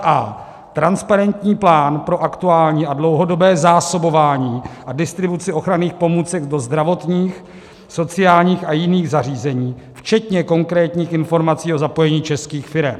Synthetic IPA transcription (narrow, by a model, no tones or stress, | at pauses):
ʔa | t̪ɾanspaɾɛnt̪ɲiːplaːnpɾo̞ʔakt̪uaːlɲiːʔadlo̞wɦo̞do̞bɛːzaːso̞bo̞vaːɲiːʔadɪst̪ɾɪbut͡sɪʔo̞xɾaniːxpo̞muːt͡sɛɡdo̞zd̪ɾavo̞t̪ɲiːx | so̞t͡sɪaːlɲiːxʔajɪniːɣzariːzɛɲiː | ft͡ʃɛt̪ɲɛko̞ŋkɾɛːt̪ɲiːxɪnfo̞ɾmat͡siːo̞zapo̞jɛɲiːt͡ʃɛskiːxfɪɾɛm